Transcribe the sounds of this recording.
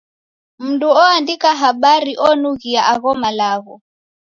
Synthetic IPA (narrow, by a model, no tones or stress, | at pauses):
m̩nduɔandikaɦaɓaɾiʔɔnuɣiaʔaɣɔmalaɣɔ